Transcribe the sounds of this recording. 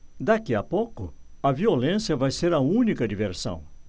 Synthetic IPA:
d̪akiɐpokʊɐviolẽsjɐvajseɾɐũnikɐd͡ʒiveɾsɐ̰̃w̃

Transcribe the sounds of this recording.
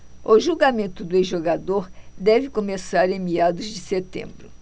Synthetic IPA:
ʊʒuɡamẽnt̪ʊd̪ʊeʒoɡad̪oɾd̪ɛvɪkomesaɾẽmiad̪ʊzd͡ʒɪset̪ḛ̃mbɾʊ

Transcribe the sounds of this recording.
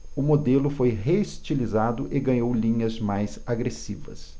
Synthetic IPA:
ʊmod̪elʊfojɦeist͡ʃilizad̪ʊʔɪɡɐ̃ɲowlĩɲɐzmajzaɡɾesḭvɐ̰s

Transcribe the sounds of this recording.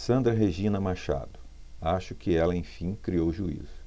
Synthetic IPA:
sɐ̃nd̪ɾɐɦeʒĩnɐmaʃa̰d̪ʊ | aʃʊkɪɛlɐẽj̃fĩkɾiowʒuḭzʊ

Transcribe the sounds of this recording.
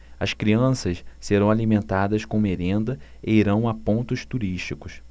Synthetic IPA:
ɐskɾiɐ̃sɐsseɾɐ̃w̃alimẽnt̪ad̪ɐskõumeɾẽnd̪ɐ | eiɾɐ̃w̃apõnt̪ʊst̪uɾiʃt͡ʃikʊs

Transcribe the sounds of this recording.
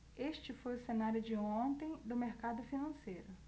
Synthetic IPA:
eʃt͡ʃɪfojʊsenaɾjʊd͡ʒɪõnt̪ẽj̃d̪ʊmeɾkad̪ʊfinɐ̃sejɾʊ

